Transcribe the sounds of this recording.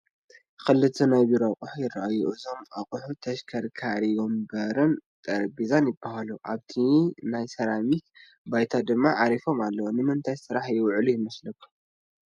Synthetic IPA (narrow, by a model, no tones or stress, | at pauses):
xɨlːɨt̪ʰɨnaβiɾɐqʼuħujɪraʔajuʔɨzo̞mʼɐqʼuħut̪ʰɐʃkʰɐɾkʰaɾijo̞mbɐɾɨnt̪ʼɐɾbizanjɪbːahaluʔaβt̪ʰinajsɐɾamit̪̚ | bajt̪ʰad̪ɨmːaʕaɾifo̞malːɐwonɨmɨnt̪ʰajsɨɾaħjɪwʕlujɪmɐslɐkːu